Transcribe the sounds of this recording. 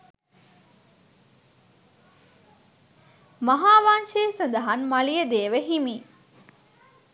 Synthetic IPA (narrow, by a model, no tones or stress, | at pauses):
mɐɦaːʋaːnʃeːsɐnd̪ɐɦɐnmɐlijəd̪eːʋeɦimiː